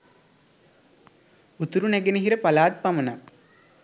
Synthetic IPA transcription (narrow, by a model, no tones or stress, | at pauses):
ut̪uɾuneɡeniɦiɾəpɐlaːt̪̚pɐmɐna